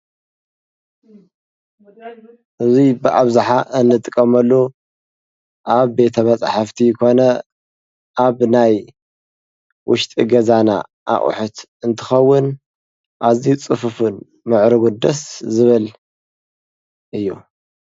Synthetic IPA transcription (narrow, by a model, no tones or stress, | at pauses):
ʔɨzibɨʔaβzaħaʔɨnːɨt̪ʼɨkʼːɐmɐlːo | ʔaβbe̞t̪ʰɐmɐt͡sʼħaft̪ʰijkʰo̞nɐ | ʔaβnaj | wʔʊ̰ʃt̪ʼiɡɐzana̰ | ʔa̰ʔʼṵħut̪ | ɨnt̪ʰɨ̥xɐwːʊn | ʔaziut͡sʼɨfɨfun | mɨʕɾɨɡund̪ɐszɨβɨl | ʔɨjːu